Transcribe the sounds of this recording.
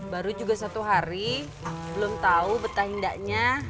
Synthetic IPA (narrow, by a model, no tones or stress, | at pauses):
baɾud͡ʒuɡasat̪uɦaɾi | bəlʊmt̪aubət̪aɦindaʔɲa